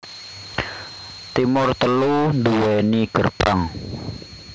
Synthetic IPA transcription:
t̪imʊrt̪əlunduwɛniɡ̥ərpaŋ

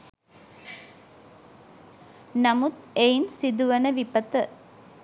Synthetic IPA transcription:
nɐmut̪ejnsid̪uʋɐnəʋipət̪ə

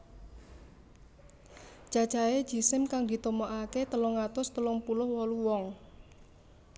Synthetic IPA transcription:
ʒ̥ḁʒ̥aed̥d͡ʒ̥i̤sɪmkaŋd̪i̤t̪omoʔaket̪əlɔŋat̪ʊst̪əlɔŋpulʊhwɔluwɔŋ

